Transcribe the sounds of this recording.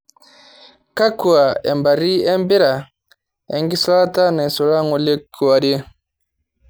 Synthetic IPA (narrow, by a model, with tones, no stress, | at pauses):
ka˦ku˨a˨ɛ̰˨mba˨ɾi˦ɛ˦mbi˦ɾa˨ | ɛ̰˨ŋɡi˦sɔ˦ɾa˦ta˦na˨sɔ˨ɾa˦ŋɔ˨le˦ku˨wa˨ɾe˦